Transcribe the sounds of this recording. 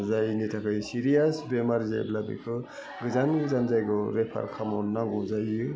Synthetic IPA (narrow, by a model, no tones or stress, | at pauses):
zajnitʰakʰɯjsiɾijasbemaɾza̰jblabḭkʰɯ | ɡɯzanɡɯzanzajɡɯɾepʰa̰ɾkʰamɔnːaŋɡɔzajɯ